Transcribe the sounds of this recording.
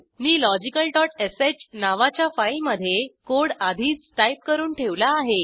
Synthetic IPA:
niːlɔd͡ʑikəlʈɔʈeset͡ɕnaʋat͡ɕjafaiməd̪ʱːjekoɽad̪ʱiːt͡sːʈajp̚kəɾuːnʈʰeʋlaːɦe

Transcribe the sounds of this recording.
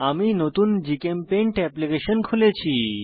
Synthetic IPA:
aminot̪uːnd͡ʑikempẽɳʈɛplikeɕənkʰulet͡ɕʰi

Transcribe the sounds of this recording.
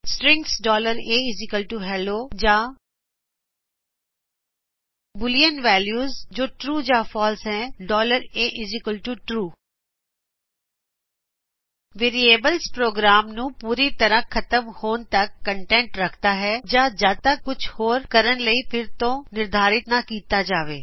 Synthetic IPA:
sʈɾɪ̃ŋksɖɔːləɾeːɪzɪkəlʈuɦɛːloːd͡ʒaː | bʊlijənʋɛːljuːzd͡ʒoːʈɾuːd͡ʒãːfʰɔːlsɦɛ̃ːɖɔːləɾeːʔɪd͡ʒɪkəlʈuʈɾuː | ʋeːɾieːbəlspɾoːɡɾaːmnũːpuːɾit̪əɾə̃kʰət̪əmhoːnt̪əkːəɳʈɛ̃ːɳʈɾəkʰt̪aːɦɛːd͡ʒãːd͡ʒaːt̪akʊt͡ʃʰhoːɾkəɾənləiːpʰɪɾt̪õːnɪɾd̪ʱaːɾɪt̪nakiːt̪aːd͡ʒaːʋeː

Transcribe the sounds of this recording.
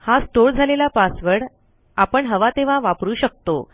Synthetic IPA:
hasʈoɾd͡zʱalelapasʋəɽ | apəɳɦəʋat̪eʋ̤ãʋapɾuːɕək̚t̪o̰

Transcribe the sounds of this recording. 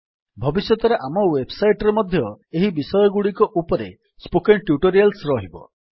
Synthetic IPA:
bʱɔbisjɔt̪ɔɾeʔamɔwebsajʈɔɾemɔd̪ʱjɔeɦibisɔjɔɡuɽikɔʔupɔɾḛ | spokenʈjuʈoɾialsɾɔɦibɔ̰

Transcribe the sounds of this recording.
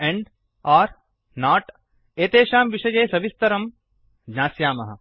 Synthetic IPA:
eɳɖ | aːɾ | naːʈ | eːt̪eːʃaːmʋiʃɐjeːsɐbist̪ɐɾɐm | d͡ʒnãːsjaːmɐɦɐ̰

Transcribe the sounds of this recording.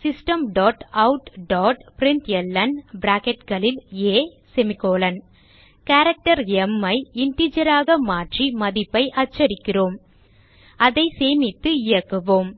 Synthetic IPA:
sɪsʈɐmɖɔːʈɐʊʈɖɔːʈpɪɾɪnt̪ɛlːɐnbɾaːkɛʈɡɐɭɪleː | sɛmɪkːoːlɐn | kaːɾɐk̚ʈɐɾɛmːɐɪɪɳʈid͡ʒɐɾaːɣɐmaːʈrimɐðɪpːɐɪʔɐt͡ʃːɐɾɪkːɪroːm | ɐðɐɪseːmɪt̪ːɯɪjɐkːɯʋoːm

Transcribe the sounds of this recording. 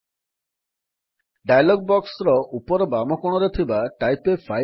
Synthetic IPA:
ɖajalɔɡ̚bɔksɾɔʔupɔɾɔbamɔkɔɽ̃ɔɾet̪ʰibaʈajpefʰa

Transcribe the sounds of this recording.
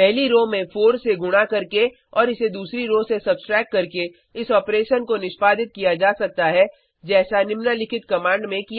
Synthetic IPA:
pɛɦliɾoːmẽfoːɖseɡʊɽ̃akɐɾke | ɔːɾɪsed̪uːsɾiɾoːsesɐbsʈɾɛːkːɐɾke | ɪsɔːpɾeːʃənkonɪʃpaːd̪ɪt̪̚kijad͡ʒaːsɐk̚t̪aɦɛ | d͡ʒɛːsanɪmnalɪkʰɪt̪kɐmãːɳɖmẽkija

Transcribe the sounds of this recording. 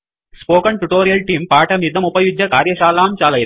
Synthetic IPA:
spoːkɐɳʈuʈoːɾijɐlʈiːmpaːʈɐmid̪ʱɐmupɐjud͡ʒjɐkaːɾjɐʃaːlaːmt͡ʃaːlɐjɾ

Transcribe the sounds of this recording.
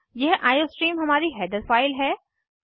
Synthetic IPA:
jɛɦʔaːjoːsʈɾiːmɦɐmaːɾiɦɛːd̪əɾfaːɪlɦɛː

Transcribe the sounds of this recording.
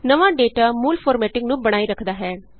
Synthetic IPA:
nəʋãːɖeːʈaːmuːlfʰoːɾmɛːʈɪŋknũːbəɽ̃aːiɾəkʰd̪aːɦɛː

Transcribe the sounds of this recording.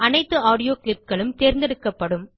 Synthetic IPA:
ɐnɐɪt̪ːɯaːɽɪjoːklɪp̚ɡɐɭɯmt̪eːɾnd̪ɛɽɯkːɐpːɐɽɯm

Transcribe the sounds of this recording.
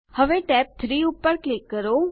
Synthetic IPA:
həʋeʈɛp̚t̪ʰɾiupːəɾklɪkːəɾo

